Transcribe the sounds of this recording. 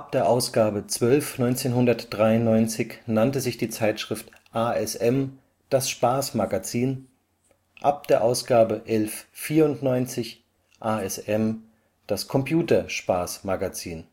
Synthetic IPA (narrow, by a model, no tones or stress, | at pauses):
ʔap̚d̥eːɐʔaʊsɡ̥aːbət͡sv̥œlfnɔʏnt͡seːnɦʊndɐtd̥ʁaɪʊnnːɔʏnt͡sɪçnantəzɪçd̥iːt͡saɪtʃʁ̥ɪft | ʔaːɛsɛm | d̥asʃpaːsmaɡat͡siːn | ʔap̚d̥eːɐʔaʊsɡ̥aːbəʔɛlfːiːɐʊntnɔʏnt͡sɪç | ʔaːɛsɛm | d̥askʰɔmpʰjuːtɐʃpaːsmaɡat͡siːn